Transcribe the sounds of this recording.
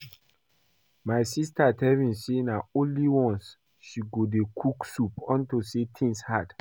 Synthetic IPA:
majsistatɛvĩnsenaõnliwɔ̃ns | ʃiɡodekʰuksupɔ̃ntusetʰĩŋshad̥

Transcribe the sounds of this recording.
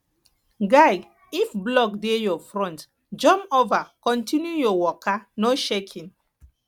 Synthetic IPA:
ɡaɪɡ | ifblɔkdejɔfɹɔ̃nt | d͡ʒɔ̃mpovakɔ̃ntʰĩnjujɔwɔkʰanoʃekʰĩn

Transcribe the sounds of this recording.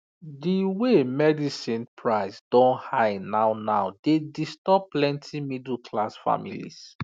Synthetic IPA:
diwemɛdisĩnpʰɹaɪsdɔ̃nhaɪnaʊnaʊdedistɔp̚pːlɛ̃ntʰimidl̩kʰlasfa̰mḭlḭs

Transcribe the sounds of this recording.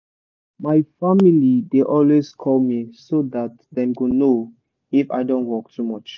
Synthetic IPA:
maɪfamilideʔɔlweskʰɔlmisoðat̚ | ðɛ̃mɡono | ifa̰ɪdõntwɔk̚tʰumɔt͡ʃ

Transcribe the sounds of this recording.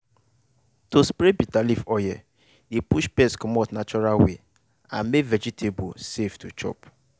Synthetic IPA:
tospɾebitalifɔjɛ | depuʃpɛskɔmɔtnat͡ʃɔɾalwḛ | ã̰nmevɛd͡ʒitʰeboseftut͡ʃɔ̰p

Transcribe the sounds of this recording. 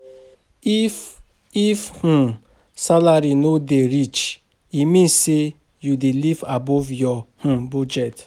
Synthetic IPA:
i | ifh̩ | salaɾinodeɾit͡ʃ | imĩnsse | judelivabɔvjɔh̩bud͡ʒɛt

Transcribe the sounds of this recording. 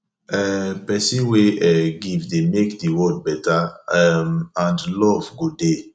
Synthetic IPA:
ɛpɛsĩweɛɡivdemekdiwɔd̚bɛtaɛmãndlɔvɡode

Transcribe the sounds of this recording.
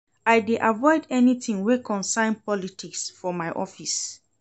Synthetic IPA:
ajdeʔavɔɪdɛnitĩŋwekʰɔ̃nsãɪ̃npɔlitʰiksfɔmaɪʔɔfis

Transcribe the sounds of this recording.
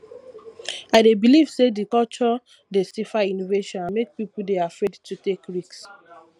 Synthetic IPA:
aɪdebiliv̥sedikɔlt͡ʃɔ | desifainoveʃɔ̃nãnmek̚pipl̩deafɹedtʰutekɹiks

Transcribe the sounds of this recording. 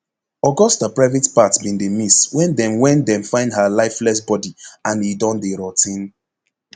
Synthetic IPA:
ɔɡɔstapɹaɪvitpatbĩndemiswɛ̃ndɛ̃mwɛ̃ndɛ̃mfãɪ̃ndhalaɪflɛsbɔdiãnidɔ̃ndeɹɔtʰĩn

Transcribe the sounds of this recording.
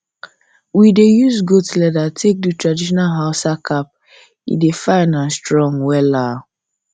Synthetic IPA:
widejuzɡotlɛdatʰek̚dutɹadiʃɔnalɦaʊsakʰap̚ | ḭdefãɪnãnstɹɔ̃ŋwɛla

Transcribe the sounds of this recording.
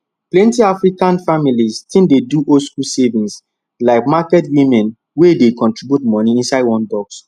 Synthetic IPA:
plɛ̃ntiafɹikãnfamiliztĩndeduʔoskulsevĩns | laɪkmakɛtwĩmɛ̃n | wedekɔ̃ntɹibjutmɔniĩnsaɪdwɔ̃ndɔɡs

